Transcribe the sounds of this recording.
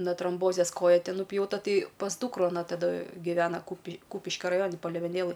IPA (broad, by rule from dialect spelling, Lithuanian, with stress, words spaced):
nɐ troːmˈboːzʲeːs ˈkoːjɛ ˈtʲɪ nʊpʲjɛʊˈtɐ ˈtɐɪ pɐs ˈduːkrʊ ɐˈnɐ tɐˈdɐ ɡʲɪˈʋʲæːnɐ kuːpʲɪ ˈkuːpʲɪʃʲkʲɛ rɐˈjoːnʲɪ pɐlʲeːʋʲɛˈnʲeːlˠɘj